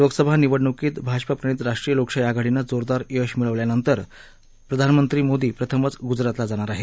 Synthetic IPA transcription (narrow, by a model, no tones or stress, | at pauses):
loɡsəbʱaniʋəɽɳəkiːt̪bʱad͡ʑpapɾəɽ̃iːt̪ɾaʂʈɾijəlokʂajaɡaɽinːad͡zoɾd̪aɾjəʂmiɭəʋljanənt̪əɾ | pɾəd̪ʱanmənt̪ɾiːmod̪iːpɾət̪ʰəmət͡sɡud͡zɾat̪lad͡zaɽ̃aɾaɦet̪